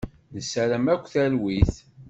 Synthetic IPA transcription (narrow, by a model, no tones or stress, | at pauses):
nəsæɾəmækʷːθælwiθ